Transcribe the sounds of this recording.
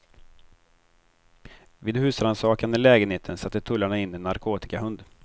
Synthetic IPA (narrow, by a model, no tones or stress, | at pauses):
vɪːd̪hʉ̟ːsɾansɑːkand̪əlɛːɡənheːt̪ʰənsat̪ːət̪ʰɵlːaɳaɪnːɪɛnːaɾkʰoːt̪ɪ̥kaɦɵnd̪